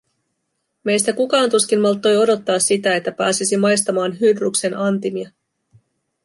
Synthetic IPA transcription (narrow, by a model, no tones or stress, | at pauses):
me̞jst̪ækukɑːnt̪uskinːɑlt̪ːo̞jo̞do̞t̪ːɑːsːit̪æe̞t̪ːæpæːsisimɑjst̪ɑmɑːnɦydrukse̞nɑnt̪imiɑ